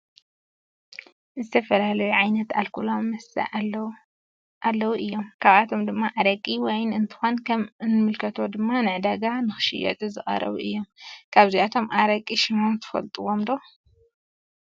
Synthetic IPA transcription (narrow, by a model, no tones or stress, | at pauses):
zɨt̪ʰɐfɐlalɐjuʕajnɐt̪alkʰulomːɐsɐ̰ | ʔalːɐwuʔɨjːo̞mkʰaβat̪ʰo̞md̪ɨmːaʔaɾɐkʼiwɔjnɨnt̪ʰɨ̥xonkʰɐmnɨmɨlkʰɐt̪ʰo̞d̪ɨmːanɨʕd̪aɡanɨxɨ̥ʃɪ̰jɐ̰t̪ʼɨzɨχʼɐ̰ɾɐ̰βuʔɨjːo̞mkʰaβziat̪ʰo̞mʔaɾɐkʼːiʃɪmomt̪ʰɨ̥fɐ̰lt̪ʼɨwo̞md̪o